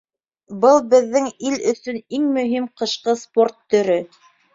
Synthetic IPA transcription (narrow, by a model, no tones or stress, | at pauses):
bɤlˠbɘ̆ðːɘŋilɵ̆sɵniŋmɵ̆ɦimqɤ̆ʃqɤsport̪ːɵ̆ɾɵ